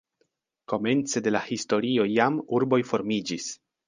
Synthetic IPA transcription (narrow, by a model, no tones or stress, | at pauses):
ko̞me̞nt͡se̞de̞lahisto̞ɾio̞jamuɾbo̞jfo̞ɾmid͡ʒis